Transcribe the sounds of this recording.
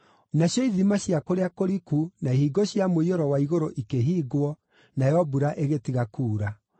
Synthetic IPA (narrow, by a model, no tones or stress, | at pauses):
naɕjɔiðimaɕjakoɾeakoɾikunaihiɡoɕjamoioɾɔwaiɣoɾoʔikeɦiːɡwɔ | najjɔbuɾaʔeɣetiɣakuːɾa